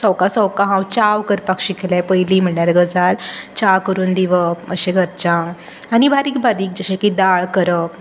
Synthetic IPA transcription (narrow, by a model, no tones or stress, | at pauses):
səwkasəwkãɦãwt͡ɕawkəɾpakɕikʰelapəjliːm̤əɳjaɾɡəd͡zalt͡ɕakəɾuːnd̪iʋəə̰ɕẽɡʱəɾt͡ɕã | añibʱaɾiːk̚bad̪iːk̚d͡ʑəɕẽkid̪aɭkəɾə